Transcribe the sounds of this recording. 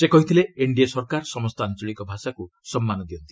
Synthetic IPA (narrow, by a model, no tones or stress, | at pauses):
sekɔɦit̪ʰileeɳɖiesɔɾkaɾsɔmɔst̪ɔant͡ʃɔɭikɔbʱasaku | sɔmːanɔd̪iɔnt̪i̥